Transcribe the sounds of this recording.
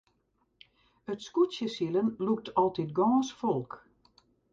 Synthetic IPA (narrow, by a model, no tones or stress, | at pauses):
ətskusjəsilənluk̚tʰɔlˠtitɡɔːsfɔlˠk